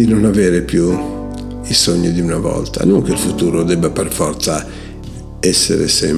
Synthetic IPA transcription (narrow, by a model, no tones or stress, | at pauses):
inɔnavɛːɾepju | isoɲːid̪iunavɔ̰lt̪a̰nuŋk̟elfut̪uːɾɔd̪ɛbːaperfɔrt̪sa | ɛsːḛɾḛsɛ̰m